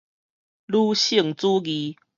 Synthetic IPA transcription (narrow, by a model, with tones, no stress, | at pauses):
lu˥˧ɕi˥˨ŋt͡su˦ɡi˨˦